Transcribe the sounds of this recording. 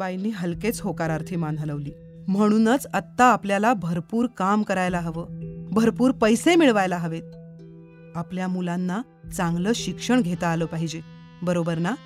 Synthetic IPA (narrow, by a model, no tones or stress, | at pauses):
ajniːɦəlket͡sɦokaɾaɾt̪ʰiːmanʱələʋliː | m̤əɽ̃uːnət͡sət̪ːaːpljalabʱəɾpuːɾkamkəɾajlaɦəʋəːbʱəɾpuːɾpəjsemiɭʋajlaɦəʋet̪̚ | apljamulanːa | t͡saŋɡləːɕikʂəɳɡʱet̪aːləːpaɦid͡ʑe | bəɾobəɾna